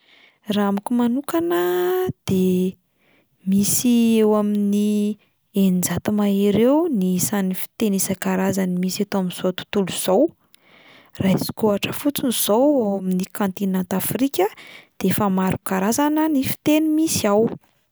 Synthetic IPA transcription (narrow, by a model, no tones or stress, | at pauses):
raamikumanukanəd̪̥e | misiewamini | enid͡zat̪umaiɾewnisanifi̥t̪enisakaɾazanimisat̪oaminzot̪u̥t̪uluz̥ow | raisi̥koaʈ͡ʂəfut͡sunz̥owewaminikãnt̪inant̪afrikʲəd̪̥eefamaɾukaɾazanənifi̥t̪enimisiaw